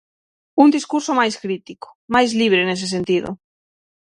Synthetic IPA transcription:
und̪iskuɾsomajskɾit̪iko̥majzliβ̞ɾenes̬es̬ent̪iðo̰

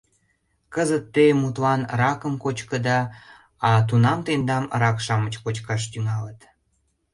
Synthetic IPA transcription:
kəzət̪ːemut̪lɑnrɑkəmkot͡ɕkəd̪ɑ | ɑt̪̬unɑmt̪end̪ɑmrɑkʃɑmət͡ɕkot͡ɕkɑʃ̬t̪yŋɑlət̪

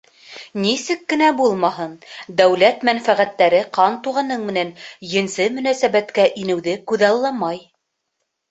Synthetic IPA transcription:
nisɘkːɘ̆næbulˠmɑɦɤnd̪æwlæt̪mænfæʁæt̪ːæɾɘqɑnt̪uʁɑnɤɴmɘ̆nænjɘ̆nsɘmɵ̆næsæβæt̪kæʔinɘ̆wðɘkʉðɑlˠːɑmɑj

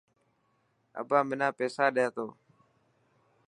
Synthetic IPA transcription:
ə̰bãːmɪnãːpeːsaːɗɪjaːt̪oː

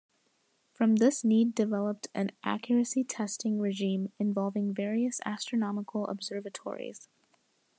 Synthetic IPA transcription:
fɹʌ̃mðɪsnidɨvɛlˠəp̚tʰʔɨ̰̃nʔæ̰kʰjə˞ɨsitʰɛstɪ̃ŋɹɨʒĩmɨ̃ɱvɑlˠvɪ̃ŋvɛɹiɨsæ̰stɹ̥ɨnɑməkʰl̩ˠə̰bz̥ɜ˞vɨtʰɔ̰ɹḭz̥

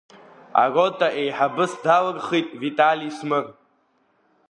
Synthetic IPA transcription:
a̰rotʼaʔejħabɨsdalɨrχijtʼvitʼalismɨr

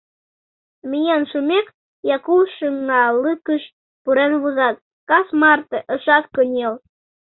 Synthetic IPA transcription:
mijɑnʃumek | jɑkuwʃəŋːɑlɨkəʃ | puɾenβuzɑt̪̚ | kɑsmɑrt̪eʔə̆ʃɑt̪kənʲel

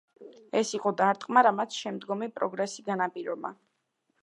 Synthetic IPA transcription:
ɛsiqʼɔd̪aɾt̪ʼqʼmaɾamat̪sʰʃɛmd̪ɡɔmipʼɾɔɡɾɛsi̥ɡanapʼiɾɔba̰

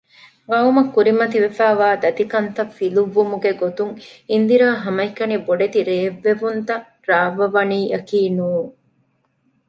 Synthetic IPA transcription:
ɡɐumɐkːuɾimɐt̪iʋefæːʋaːd̪ɐt̪ikɐnt̪ɐfiluʋːumuɡeɡot̪uŋind̪iɾaːɦɐmɐikːɐniboɖet̪iɾeːʋːeʋunt̪ɐ | ɾaːʋɐʋɐniːʔɐkiːnuːŋ

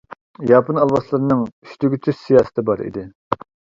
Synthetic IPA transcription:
jɑːpɨnɑlˠwɑslˠɨɾɨnɨŋyʃt̪yɡʲyt͡ʃ̪ʰyssijɑːsə̥t̪ʰɨbɑɾḭd̪ɪ

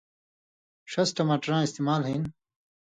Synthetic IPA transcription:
ʂɐsʈɐmɐʈɾãːist̪imaːlɦin

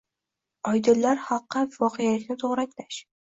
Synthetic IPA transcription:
ɒjd̪ɪlːaɾhɑlˠqːɑvɒqʰejalɪkʲnɪt̪ʰoʁɾakʲlaʃ

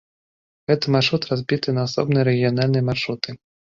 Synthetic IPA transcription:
ɣɛt̪ɨmarʂɾut̪razʲbʲit̪ɨnɐasɔ̰bnɨjɐɾɛɣʲijanalʲnɨjɐmarʂut̪ʰɨ

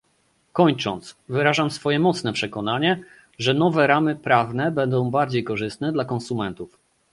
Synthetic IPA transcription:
kɔɲt͡ʂɔnt̪svɘɾaʐamsfɔjɛmɔt̪snɛpʂɛkɔnaɲɛ | ʐɛnɔvɛɾamɘpɾavnɛbɛnd̪ɔ̃w̃baɾd͡ʑejkɔʐɘst̪nɛd̪lakɔnsumɛnt̪uf

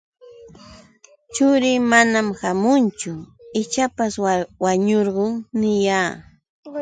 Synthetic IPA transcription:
t͡ʃʊɾɪmanamhamʊnt͡ʃʊ | ɪt͡ʃapaswaɲoɾɢoŋnɪjaː

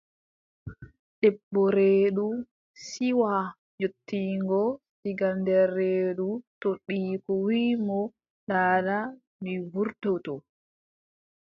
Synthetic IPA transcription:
ɗɛbːɔɾeːɗu | siwa | d͡ʒotːiːŋɡɔ | siɡandɛrːeːɗutoɗːiːkɔwimɔ | ɗaːɗa | mibuɾtɔtɔ

